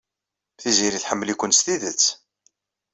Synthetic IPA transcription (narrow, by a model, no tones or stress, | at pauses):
θiziɾiθħəmːlikʷːənst̪iðət͡sː